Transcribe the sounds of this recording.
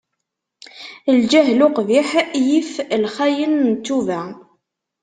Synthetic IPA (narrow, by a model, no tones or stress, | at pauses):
ld͡ʒæɦlʊqviħjiflχæjənnt͡s̪ːuvæ